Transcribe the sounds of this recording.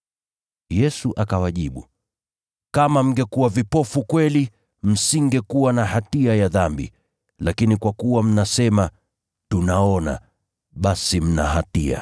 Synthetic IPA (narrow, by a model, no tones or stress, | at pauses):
jɛsuʔakawaʄiɓu | kamam̩ɡɛkuwavipɔfukwɛli | m̩siŋɡɛkuwanahatiajaðambḭ | lakinikwakuwam̩nasɛma | tunaɔna̰ | ɓasim̩naɦatia̰